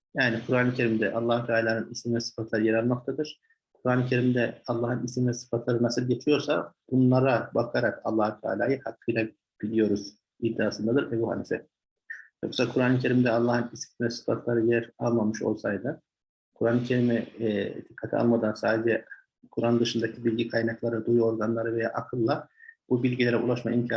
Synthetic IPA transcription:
jaːnikʰuɾaːnicʰe̞ɾimd̪ɛ̰ʔalˠːaːhut̪ʰaːlʲaːnɯnismivɛsɯ̥fat̪lˠaɾɯjɛɾalˠnok̚t̪ʰad̪ɯɾ̥ | kʰuɾaːnɯcʰe̞ɾimd̪ɛɑlˠːaːhɯnisivɛsɯ̥fat̪ʰlˠaɾɯnasɯlˠɟe̞t͡ʃʰijo̞ɾsabunlˠaɾabakʰaɾaka̰lˠːaːhut̪ʰa̰ːlʲa̰ːjɯhakʰːɯjlʲˠa | b̥ilʲijo̞ɾuz̥ | id̪ːaːsɯnd̪ad̪ɯɾɛbuha̰nisɛ | jo̞̰ksakʰuɾaːncʰe̞ɾimd̪ɛɑlˠːaːhɯnisivɛsɯ̥fa̰t̪ʰlˠaɾɯjæɾalˠmamɯʃo̞̰lˠsajd̪ɯ | kʰuɾaːnɯcʰe̞ɾimid̪ikʰːat̪ʰḭa̰lˠmad̪ansaːd̪ed͡ʒɛ | kʰuɾand̪ɯʃɯnd̪acʰibilʲɟikʰajnaklˠaɾɯd̪ujo̞ɾɡanlˠaɾɯvejaʔakʰɯlˠːabubilʲɟilʲe̞ɾɛṵlˠaʃma̰imcʰa

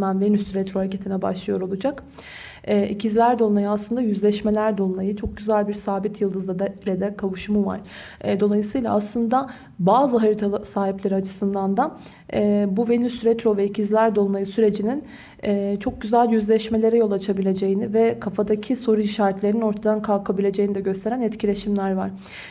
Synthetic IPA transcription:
mænvenyst̪ɾɛt̪ɾojacʰet̪ʰinɛba̰ʃlˠɯjo̞ɾo̞lˠud͡ʒak | ɛːicʰizlʲæɾd̪o̞lˠnajɯaslˠɯnd̪ajyzlʲɛʃme̞lʲæɾd̪olˠunˠajɯt͡ʃʰo̞k̚ɟyzælʲbiɾsaːbit̪ʰjɯlˠd̪ɯzd̪ad̪alʲɛd̪ɛkʰavuʃumuva̰ɾ̥ | d̪o̞lˠajɯsɯːjlˠaaslˠɯnd̪a | baːzɯɦaɾɯt̪ʰasaːɦiplʲeɾiat͡ʃʰɯ̥sɯnd̪and̪a | ɛːbuvenysyɾɛt̪ɾo̞vɛicʰizlʲæɾd̪o̞lˠunajɯsyɾe̞d͡ʒinin | ɛːt͡ʃʰo̞k̚ɟyzælʲjyzlʲɛʃme̞lʲe̞ɾɛjo̞lˠat͡ʃʰabilʲe̞d͡ʒe̞jinivɛkʰafad̪acʰiso̞ɾuiʃaːɾɛt̪lʲeɾinino̞ɾt̪ʰad̪ankʰalˠkʰabilʲe̞d͡ʒe̞jinid̪ɛɟø̞st̪ʰe̞ɾænɛt̪cʰilʲe̞ʃimlʲæɾva̰ɾ̥

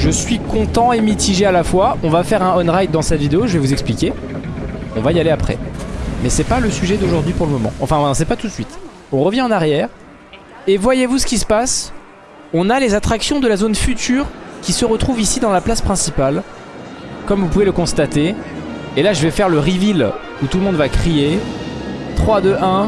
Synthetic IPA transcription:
ʒəsɥikɔ̃t̪ɑ̃emit̪ʰiʒealafwaɔ̃vafɛʁɛ̃ɔnʁaj̪̚d̪ɑ̃sɛt̪vid̪eoʒəvɛvuzɛksplikʲe | ɔ̃vaijaleapχɛ̰mɛsɛpaləsyʒɛd̪oʒuʁd̪ɥipuʁləmɔmɑ̰̃ɑ̃fɛ̃ɛ̃sɛpat̪ut̪sɥit̪ | ɔ̃ʁəvjɛ̃ɑ̃naʁjɛːʁ | evwajevusə̥kʲisə̥pas | ɔ̃nalezat̪χaksjɔ̃d̪əlazonfyt̪yːʁkʲisəʁət̪χuvisid̪ɑ̃laplaspχɛ̃sipal | kɔmvupuveləkɔ̃st̪at̪eː | laʒəvɛfɛʁləʁivil | ut̪ulmɔ̃d̪vakχie | t̪χwad̪øʔɛ̃

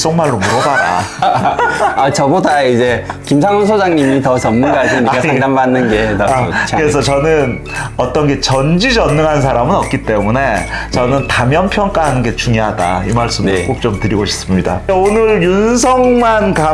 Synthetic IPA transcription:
s͈oŋmaɭːomuɾʌbaɾa̰ | at͡ɕʌbodaid͡ʑekimsʰaŋonsʰod͡ʑaŋɲimitʌt͡ɕʌnːɯɡaɕʰiɲiaaŋdambanːɯnɡenkt͡ɕɯɾesʰʌt͡ɕʌnɯn | ʌt͈ʌnɡe̞t͡ɕʌnd͡ʑid͡ʑʌnːɯŋɦans̬ʰaɾamɯnʌk̚k͈it͈e̞mune̞t͡ɕʌnɯntamjʌnpʰjʌŋk͈aɦanɯnɡe̞t͡ɕuŋjʌɦada̰imaɭs͈ɯmk͈ok̚t͡ɕ͈omtɯɾiɡoɕʰi̥p̚s͈ɯmɲida̰onɯɭjunsʰʌŋmanka

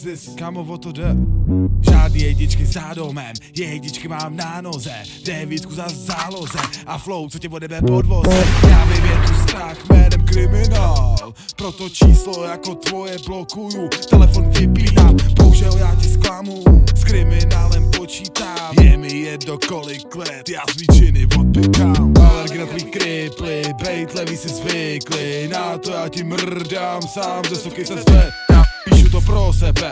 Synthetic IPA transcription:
zɪskamovot̪odɛ | ʒaːdnijɛjɲɪt͡ʃkɪzado̞mɛmjɛjjɲɪt͡ʃkɪmaːmnaːno̞zɛ | dɛvjit̪kuzazaːlo̞zɛʔaflowt͡socɛvodɛbɛpodvosjaːvɪvjɛt̪ust̪ɾaxmɛɾɛmkɾɪmɪnaːl | pɾot̪ot͡ʃiːslojakot̪vo̞jɛblokujut̪ɛlɛfoncɛbiːdaːmpowʒɛojaːcɪsklamuskɾɪmɪnaːlɛmpot͡ʃiːt̪aːjɛmɪjɛd̪nokolɪklɛt̪jaːzviːt͡ʃɪnɪvod̪̚bɪkamaɾɡɪnat̪viːkɾɪplɪbɛjt̪lɛviːsɪzvɪklɪnat̪ojaːcɪmr̩damsaːmzɛsokɛsɛzbɛjaːpiːʃut̪opɾosɛbɛ

